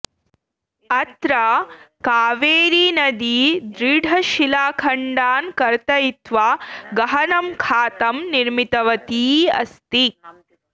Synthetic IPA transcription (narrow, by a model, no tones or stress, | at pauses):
ɐt̪ɾɐkaːʋeːɾiːnɐd̪iːd̪ɾiːɖʱɐʃilaːkʰɐɳɖaːnkɐɾt̪ɐjit̪ʋaɡɐɦɐnɐmkʰaːt̪ɐmniɾmit̪ɐʋɐt̪iːɐ̰st̪i